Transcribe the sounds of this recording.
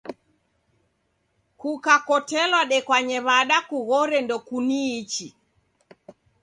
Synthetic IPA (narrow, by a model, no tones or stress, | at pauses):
kukakɔtɛlwaɗɛkwaɲɛβaɗakuɣɔɾɛndɔkuniːt͡ʃi